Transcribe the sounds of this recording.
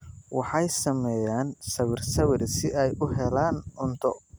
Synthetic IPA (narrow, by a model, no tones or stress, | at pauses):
wɑħɑjsɐmɛjaːnsɐwɪrsɐwɪrsɪʔɛjʔʊɦɛlaːnʊnt̪ʰɔ